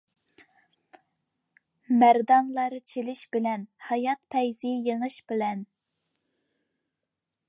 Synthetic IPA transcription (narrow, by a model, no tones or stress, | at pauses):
mæɾd̪ɑnlˠɑɾt͡ʃʰelɪʃbɪlɛnhɑjɑt̪̚pʰɛjzɪjeŋɨʃbɪlɛn